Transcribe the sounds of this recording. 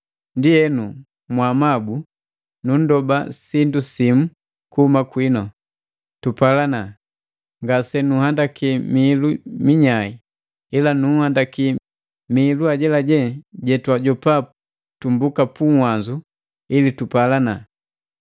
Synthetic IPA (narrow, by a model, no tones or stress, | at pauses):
ndiɛnu | mwamabu | nun̩dɔbasindusimu | kuhumakwinɔ | tupalana | ŋɡasɛnuhandakimiːlumiɲai | ilanuhandaki | miːluaɟɛlaɟɛɟɛtwaɟɔpap | tumbukapuŋhwanzu | ilitupalana